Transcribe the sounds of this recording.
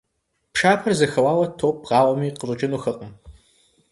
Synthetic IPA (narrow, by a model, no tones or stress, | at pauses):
pʂaːpʰɐrzɐxɐwɑːwɐtʰoːp̚ʁɑːwɐmiːqərʷʼɨt͡ʃʼɪnuːxɐqʼəm